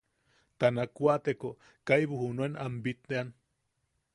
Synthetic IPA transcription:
t̪anakwaʔt̪eko | kajβuhunuenambit̪ːean

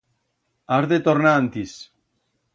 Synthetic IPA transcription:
aɾðet̪oɾnaːnt̪is

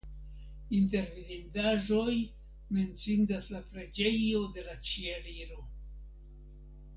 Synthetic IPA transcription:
int̬e̞ɾvinindaʒo̞j | me̞nt͡sindaslapɾe̞d͡ʒe̞jo̞de̞lat͡ʃieɾiɾo̞

